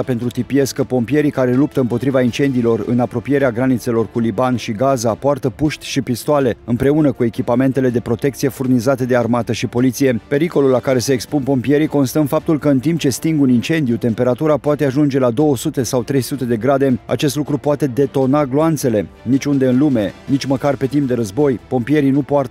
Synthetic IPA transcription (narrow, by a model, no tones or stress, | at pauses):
ape̞nt̪ɾut̪ipie̞skəpo̞mpije̞ɾikaɾe̞lup̚t̪əɨmpo̞t̪ɾivaint͡ʃe̞nd̪iːlo̞rɨ̰napɾo̞pije̞ɾeaɡɾanit̪se̞lo̞rkulibanʃiɡazapoart̪əpuʃt̪ʲʃipist̪oale̞ɨmpɾe̞unəkue̞kʲipame̞nt̪e̞le̞d̪e̞pɾo̞t̪e̞k̚t̪sije̞furnizat̪e̞d̪e̞armat̪əʃipo̞lit̪sije̞pe̞ɾiko̞lulːakaɾe̞se̞ːkspunpo̞mpije̞ɾiko̞nst̪əɨnfap̚t̪ulkəɨnt̪imp̚t͡ʃest̪iŋɡunint͡ʃe̞nd̪jut̪e̞mpe̞ɾat̪uɾapoat̪e̞aʒund͡ʒe̞lad̪o̞wəsut̪e̞sawt̪ɾe̞jsut̪e̞d̪e̞ɡɾad̪e̞a̰t͡ʃe̞st̪lukɾupoat̪e̞d̪e̞t̪o̞naɡloant̪se̞le̞nit͡ʃʲund̪e̞ɨnlume̞nit͡ʃʲməkarpe̞t̪imp̚d̪e̞ɾəzbo̞jpo̞mpije̞ɾinupoart̪ə